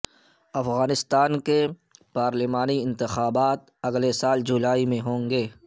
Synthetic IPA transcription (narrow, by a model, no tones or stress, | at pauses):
ɐfɣaːnɪst̪aːnke | paːɾlɪmaːniɪ̃nt̪ɪxaːbaːt̪̚ | ɐɡlesaːld͡ʒʊlaːimẽɦõːŋɡeː